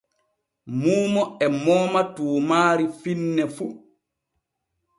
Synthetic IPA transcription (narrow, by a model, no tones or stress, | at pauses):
muːmɔɛmɔːmatuːmaːɾifinːɛfu